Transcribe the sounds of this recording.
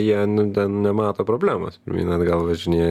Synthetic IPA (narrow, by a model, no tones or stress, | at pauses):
jiɛnʊt̪ʲɛnnʲɛmɑːt̪oːpɾoːbʲlʲæːmɐ̰ːspʲɪɾʲmʲḭːnɐt̪ɡɐlˠʋɐʒʲɪnʲiːj